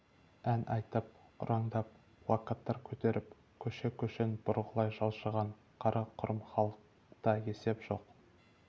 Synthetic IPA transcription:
ænʔɑjt̪əp̚ | ʊ̰ɾʔɑŋd̪ɑp̚ | wɑqət̪ːɑɾkʲʰɵt̪e̞ɾʔɪp | kʲʰɵʃekʲʰɵʃenbʊɾʁəlˠɑjʒɑlˠʃəʁɑɴ | qʰɑɾʔɑqʰʊɾʔəmχɑlˠəq | t̪ɑje̞se̞pʒ̥o̞̰q

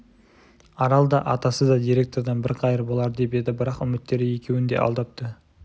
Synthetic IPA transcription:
ɑɾɑlˠd̪ɑʔɑt̪ɑsəzd̪ɑd̪ijɾe̞k̚t̪o̞ɾd̪ɑnbɪɾqʰɑjəɾbo̞lˠɑɾd̪e̞pe̞d̪ɪbɪɾɑqʏmɪt̪ːe̞ɾɪje̞kʲʰe̞wɪnd̪e̞̰ʔɑ̰lˠd̪ɑp̚t̪ə

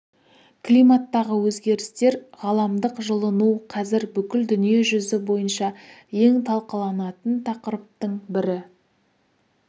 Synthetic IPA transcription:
klʲijmat̪ːɑʁəwɵzɡʲe̞ɾɪst̪e̞ɾʁɑlˠɑmd̪əqʒəlˠənuqʰɑzɪɾbʏkʲɪld̪ʏnije̞ʒʏzɪbo̞jənʃɑ | je̞ŋt̪ʰɑlˠqəlˠɑnɑt̪ənt̪ʰɑqəɾəp̚t̪əɴbɪɾɪ

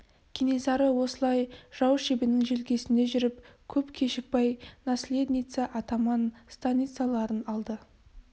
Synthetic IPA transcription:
kʲʰene̞sɑɾəwo̞səlˠɑjʒ̥ɑwəʃebɪnɪŋʒelɡʲe̞sɪnd̪e̞ʒʏɾɪp̚kʲʰɵpkʲʰe̞ʃɪk̚pɑjnasʲle̞d̪ʲnʲijt̪səʔɑt̪ɑmɑnst̪anʲit̪sɨjalˠɑɾənɑlˠd̪ə

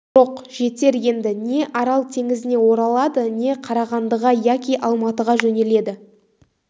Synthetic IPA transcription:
ʒo̞qʒ̥e̞t̪e̞ɾje̞nd̪ɪne̞ʔɑɾɑlˠt̪ʰe̞ŋɪzɪne̞wo̞ɾɑlˠɑd̪əne̞qʰɑɾɑʁɑnd̪əʁɑjækʲiʔɑlˠmɑt̪əʁɑʒɵne̞le̞d̪ɪ

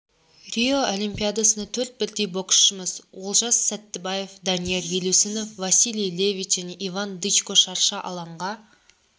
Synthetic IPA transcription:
rʲioʔolimpʲijad̪asənɑt̪ʰɵɾt̪̚bɪɾd̪ejbo̞ksːəməzwolˠʒɑsːæt̪ːɪbaje̞fd̪ɑnije̞ɾjelusɪno̞fvɑsilʲijle̞vʲijt͡ʃ̪ʒ̥æne̞ʔivand̪ɨt͡ʃkoʃɑɾʃɑʔɑ̰lˠɑɴʁɑ

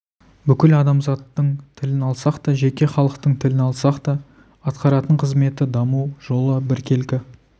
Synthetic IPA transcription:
bʏkʲɪlɑd̪ɑmzɑt̪ːəɴt̪ʰɪlɪnɑlˠsɑqt̪ɑʒe̞kʲe̞χɑlˠəqt̪əɴt̪ʰɪlɪnɑlˠsɑqt̪ɑ | ɑt̪qɑɾɑt̪əɴqʰəzme̞t̪ɪd̪ɑmuwʒ̥o̞lˠəbɪɾkʲʰe̞lkʲɪ

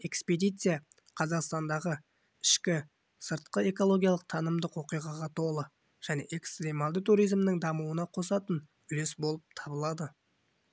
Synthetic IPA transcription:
e̞kspe̞d̪ijt̪sɨja | qʰɑzɑqst̪ɑnd̪ɑʁə | ɪʃkʲɪ | səɾt̪̚qəe̞ko̞lˠo̞ɡʲijɑlˠəq̚t̪ʰɑnəmd̪əqwo̞qijʁɑʁɑt̪ʰo̞lˠə | ʒ̥æne̞̰ʔe̞kst̪ɾʲemalˠd̪ət̪uɾijzmnɪŋd̪ɑmuwənɑqʰo̞sɑt̪ən | ʏle̞sbo̞lˠəp̚t̪ʰɑbəlˠɑd̪ə

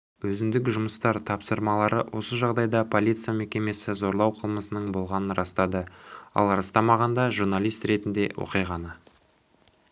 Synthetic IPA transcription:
wɵzɪmd̪ɪkʲʒʊməst̪ɑɾt̪ʰɑpsəɾmɑlˠɑɾəwʔo̞səʒɑʁd̪ɑjd̪ɑpʰo̞lʲijt̪sɨjame̞kʲe̞me̞sɪzo̞ɾlˠɑwqʰəlˠməsənəɴbo̞lˠʁɑnənɾɑst̪ɑd̪əɑ̰lˠɾɑst̪ɑmɑʁɑnd̪ɑʒuɾnalʲˠijst̪ɾe̞t̪ɪnd̪e̞wo̰qijʁɑnə

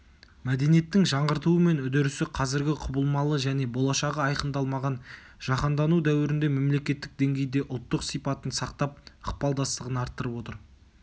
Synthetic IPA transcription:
mæd̪e̞nijet̪ːɪŋʒɑɴʁəɾt̪uəme̞nʊd̪eɾʏsɪqʰɑzɪɾɡʲɪqʰʊbəlˠmɑlˠəʒæne̞bo̞lˠɑʃɑʁəɑjqənd̪ɑlˠmɑʁɑn | ʒ̥ɑqɑnd̪ɑnud̪æwɪɾɪnd̪e̞memle̞kʲe̞t̪ːɪk̚d̪e̞ŋɡʲe̞jd̪e̞ʔʊlˠt̪ːəqsijpɑt̪ənsɑqt̪ɑp̚əq̚pɑlˠd̪ɑst̪əʁənɑɾt̪ːəɾəpo̞t̪əɾ

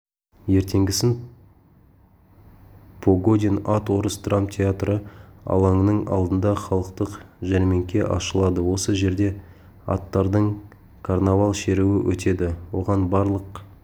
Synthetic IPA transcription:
je̞ɾt̪ʰe̞ŋɡʲɪsɪn | pʰoɡo̞d̪ʲenat̪wo̞ɾəsd̪rampt̪ʲʰe̞at̪ɾəɑ̰lˠɑŋnəɴɑ̰lˠd̪ənd̪ɑχɑlˠəqt̪əqʒæɾme̞ŋkʲe̞ʔɑ̰ʃəlˠɑd̪əwo̞səʒe̞ɾd̪e̞ | ɑ̰t̪ːɑɾd̪əɴ | kʰarnavalˠʃe̞ɾuwɪwʔɵ̰t̪e̞d̪ɪwo̞ʁɑnbɑɾlˠəq

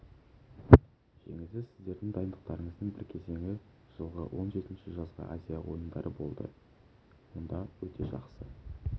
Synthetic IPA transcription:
ʒ̥e̞̰ŋɪsɪzsɪzd̪e̞ɾd̪ɪŋd̪ɑjənd̪əq̚t̪ɑɾəɴəzd̪əɴbɪɾkʲʰe̞ze̞ŋɪ | ʒ̥əlˠʁə̰wʔo̞nʒe̞t̪ɪnʃɪʒɑzʁə̰ʔazʲijawo̞̰jənd̪ɑɾʔəbo̞̰lˠd̪ə̰ | wo̞nd̪ɑwɵt̪ʰe̞ʒɑqsə

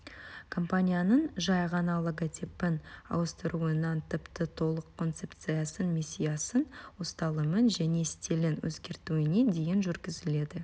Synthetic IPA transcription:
kʰo̞mpanʲijanəɴʒɑjʁɑnɑlˠoɡat̪ʲʰepɪnɑ̰wəst̪əɾuənɑnt̪ʰɪpt̪ət̪ʰo̞lˠəqʰːo̞nt̪se̞p̚t̪sɨjasənmʲisʲːijasənwost̪ɑlˠəmənʒæne̞st̪elɪnwʔɵ̰zɡʲe̞ɾt̪uɪne̞d̪e̞jɪnʒʏɾɡʲɪzɪle̞d̪ɪ

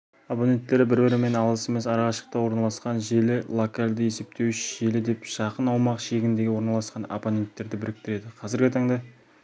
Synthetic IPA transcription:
oponʲe̞nt̪ːe̞ɾɪbɪɾbɪɾɪme̞nɑlˠəse̞me̞sɑɾʁɑʃə̥q̚t̪ɑwo̞ɾnɑlˠɑsqɑnʒelɪlˠokalʲd̪ɪje̞se̞p̚t̪e̞wʒelɪd̪e̞pʃɑqənɑwmɑqʃe̞ɡʲɪnd̪e̞ɡʲɪwo̞ɾnɑlˠɑsqɑno̰ponʲe̞nt̪ːe̞ɾd̪ɪbɪɾɪk̚t̪ɪɾe̞d̪ɪqʰɑzɪɾɡʲɪt̪ʰɑɴd̪ɑ

